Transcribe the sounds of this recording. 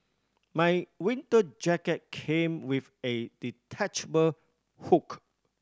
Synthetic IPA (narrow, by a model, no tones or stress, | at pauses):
majwĩntəd͡ʒakət̚kʰẽmwifeditʰat͡ʃbə | huk